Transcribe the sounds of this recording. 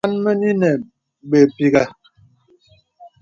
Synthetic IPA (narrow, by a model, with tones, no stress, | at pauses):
a˦nmə˦ni˦nɛ˨ | ɓe˨pi˦ɡa˦˨